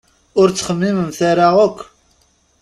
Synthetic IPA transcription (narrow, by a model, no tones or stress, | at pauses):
ʊɾt͡sːχəmːiməmθaɾaʁəkʷː